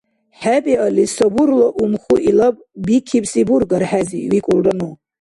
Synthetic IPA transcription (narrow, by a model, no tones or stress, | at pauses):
ħabʼialisabuɾlaʔumχuʔilapʼbikʰipʼsiburɡaɾħaziwikʷʼʊlranu